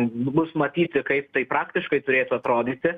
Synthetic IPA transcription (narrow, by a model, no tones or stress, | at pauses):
bʊsmɐt̪ʲiːt̪ʲɪkɐɪp̚t̪ɐɪpɾɑːkt̪ʲɪʃkɐɪt̪ʊɾʲeːt̪ʊɐt̪ɾoːd̪ʲiːt̪ʲɪ